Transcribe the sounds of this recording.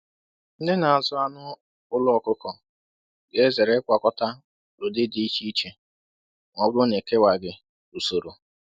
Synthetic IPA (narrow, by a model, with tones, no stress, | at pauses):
n̩˦de˦na˨a˨zʊ˦a˦nʊ˦ | ʊ˦lɔ˦˨kʊ˦kɔ˨ | ɡe˦ze˨ɾe˦kʷa˨kɔ˦ta˦ | ɾʊ˨dɪ˦di˦i˦t͡ʃi˦i˦t͡ʃe˨ | ŋɔ˨bʊ˦ɾʊ˦ne˨ke˦wa˨ɡɪ˨ | u˨so˨ɾo˨